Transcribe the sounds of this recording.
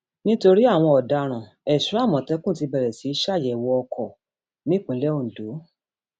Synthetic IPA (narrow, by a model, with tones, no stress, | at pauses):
nĩ˦to˧ɾi˦a˦˨w̃ɔ̃˧ɔ˨da˧ɾ̃ã˨ | ɛ˨ʃu˨˦a˦˨mɔ̃˨tɛ˦kũ˦˨ti˧bɛ˨ɾɛ˨si˨˦ʃa˦˨jɛ˨wɔ˧ɔ˧kʰɔ˨ | nĩ˦k͡pũ˨˦lɛ˦o˦˨n̩˨do˨˦